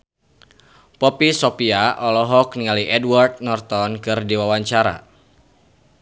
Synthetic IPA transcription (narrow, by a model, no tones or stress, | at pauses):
pɔpisɔpiaʔɔlɔɦɔk̚niŋaliʔɛdward̪̚nɔrt̪ɔnkɨrdiwawaɲt͡ʃaɾa̰